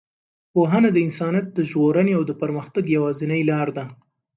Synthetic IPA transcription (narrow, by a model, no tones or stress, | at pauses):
poɦanad̪əɪnsɑnijat̪̚d̪əʒɣoɾəneawd̪əpaɾməxt̪aɡjawɑzɪnəjlɑɾd̪a